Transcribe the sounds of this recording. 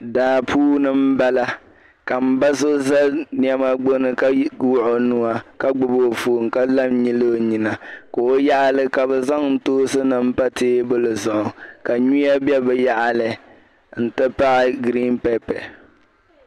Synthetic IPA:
daː˨pʰuː˦nɨ˦m̩˦ba˦la˦ | ka˨m̩˦ba˦so˦za˦ni˦ɛ˦ma˦ɡ͡bo˦nɨ˦ka˦wʊ˦ʔʊ˨nu˦wa˨ka˦ɡ͡bʊ˨bo˦˨fo˨ŋ˨ka˦la˦mɲi˦lo˦˨ɲi˨na˨ko˨o˦ja˦ʔa˦lɨ˦ka˨bɛ˨za˦ŋn̩˦toː˦sɨ˦nɨ˦m̩˦pa˦teː˦bɨ˦lɨ˨zʊ˨ʔʊ˨ka˨ɲu˦a˦bɛ˦bɛ˨ja˦ʔa˨lɨ˨ | n̩˦tɨ˦pa˦ʔɪ˦˨ɡɾi˦npɛ˦pɛ̰˨

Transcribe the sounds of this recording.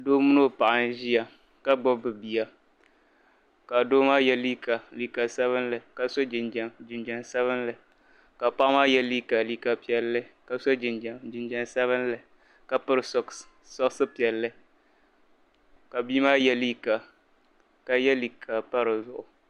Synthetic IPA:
doː˦mu˦no˦˨pa˨ʔa˨n˦ʒi˦ja˨ | ka˦ɡ͡bɔ˦bɨ˨bi˨a˨ | ka˨doː˦maː˦jɛ˦li˦kʰa˨li˨ka˨sɛ˦βɨ˦nlɨ˨ka˨sɔ˦d͡ʒd͡ʒɪ˨nd͡ʒɛ˨nsa˦βɨ˦nlɨ˨ | ka˨pa˦ʔmaː˦jɛ˦li˦ka˨li˦ka˨pi˨ɛ˨lːɨ˦ka˨so˦d͡ʒɪ˨n˨d͡ʒɪ˨nd͡ʒɛ˨nsa˦βɨ˦n˦lɨ˨ | ka˨pɨ˦ɾɨ˨s | sɔ˦ksɨ˦pi˨ɛ˨lːɨ˦ | ka˨biː˦maː˦jɛ˦liː˦ka˨ | ka˨jɛ˦li˨kʰa˨pa˦ɾɨ˨zʊ˨ʔʊ˨

